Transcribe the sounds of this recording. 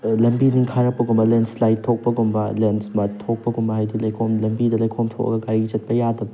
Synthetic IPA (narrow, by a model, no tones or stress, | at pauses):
lɐmbiniŋkʰaɾɐk̚pɐɡumbɐlenslajtʰok̚pɐɡumbɐlensmɐtʰok̚pɐɡumbɐɦajdilɐjkʰomlɐmbidɐlɐjkʰomtʰo̰kʔɐ̰ɡɐɡaɾiɡit͡ʃɐt̚pɐjadɐbɐ